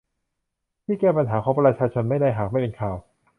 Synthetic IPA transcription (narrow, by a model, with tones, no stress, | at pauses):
t̪ʰiː˥˩kɛː˥˩pa˧nɦaː˩˦kʰɔː˨˥ŋpɾa˧t͡ɕʰaː˧t͡ɕʰo˧nma˥˩jda˥˩jɦaː˨˩k̚ma˥˩jpe˧nkʰaː˨˩w